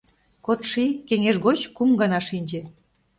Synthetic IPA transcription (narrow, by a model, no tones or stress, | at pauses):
kot̪ʃikeŋeʃɣot͡ɕkumɡɑnɑʃinʲd͡ʑe